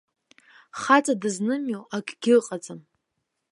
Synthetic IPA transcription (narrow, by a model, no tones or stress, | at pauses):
χat͡sʼadɨznɨmjowakʲʰɡʲɪqʼat͡sʼɨm